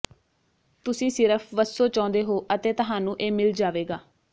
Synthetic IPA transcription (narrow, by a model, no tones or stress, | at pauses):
t̪ʊsĩːsɪɾəpʰʋəsːoːt͡ʃãːnd̪eːɦoːʔət̪eːt̪ʊɦãːnũːʔeːmɪld͡ʒaːʋeːɡaː